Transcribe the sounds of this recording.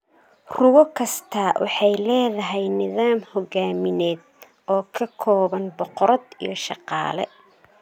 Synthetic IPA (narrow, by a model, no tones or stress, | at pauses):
rʊwɔkʰɐst̪ʰɐwʔɑ̰ħɑjlɛːðɐɦɛjnɪðaːmhɔɡaːmɪnɛːd̪̚ | ɔːkʰɐkʰɔːβɐnbɔqɔɾɐd̪ḭjɞʃɑ̰qɑ̰ːlɛ